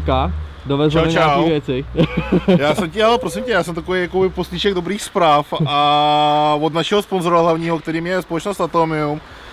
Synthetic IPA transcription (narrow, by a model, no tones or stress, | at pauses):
ka | dovɛzt͡ʃawdot͡ʃɲaːwiːvjɛt͡sɪ | jaːsɛmcɪalɛpɾos̬ɪmcɛjaːsɛmt̪akovejakobɪposɲiʃɛɡdobɾiːxspɾaːfa | vod̪naʃɛɦosponzoɾaɦlavɲiːɦok̚t̪ɛɾiːmjɛspolɛt͡ʃnost̪at̪omɪum